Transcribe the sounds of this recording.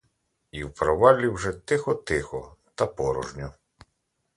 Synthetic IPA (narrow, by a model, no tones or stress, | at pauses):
iwpɾɔʋalʲiwʐɛt̪ɪxɔt̪ɪxɔt̪ɐpɔɾɔ̰ʒnʲɔ